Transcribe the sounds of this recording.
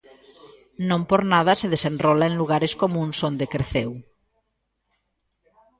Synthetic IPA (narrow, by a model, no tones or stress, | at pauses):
nõmpoɾnað̞aseð̞esenrrɔlaenluɣ̞aɾeskomũnsond̪ekɾeθew